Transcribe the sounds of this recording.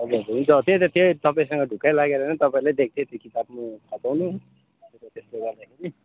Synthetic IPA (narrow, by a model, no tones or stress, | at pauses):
ʌd͡zoɾɦunt͡sʰʌt̪ʰjet̪et̪ʰjet̪ʌpãĩsʌŋɡʌɖʱukajlaɡeɾʌnʌt̪ʌpaĩlajd̪ek̚t̪ʰjet̪jokit̪ab̚makʰʌpawnu | t̪ʌt̪esleɡʌrd̪akʰeɾi